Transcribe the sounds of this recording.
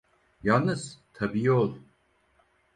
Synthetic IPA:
jalˠnɯz̥t̪ʰabiːolˠ

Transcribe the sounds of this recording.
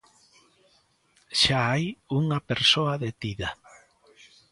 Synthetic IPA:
ʃaajuŋapeɾsoaðet̪iða

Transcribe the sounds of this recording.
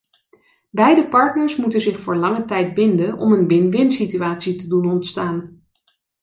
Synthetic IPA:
bɛjdəpɑɹtnəɹsmutənzɪχfʊːɹlɑŋətɛj̚bɪndənɔ̰mənʋɪnʋɪnsityaːtsitədunɔntstaːn

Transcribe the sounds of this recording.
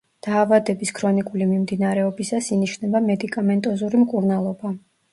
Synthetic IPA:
d̪̥aːvad̪ɛbiskʰɾɔnikʼulimimd̪inaɾɛɔbisasiniʃnɛbamɛd̪ikʼamɛnt̪ʼɔzuɾimkʼuɾnalˠɔba

